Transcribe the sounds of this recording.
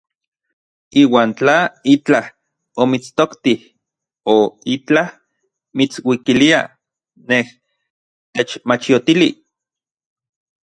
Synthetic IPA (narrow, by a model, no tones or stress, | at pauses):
iːwaːnt͡ɬait͡ɬah | omit͡st̪okt̪ih | oit͡ɬah | mit͡swikilia̰ | neh | t̪et͡ʃmat͡ʃijot̪ili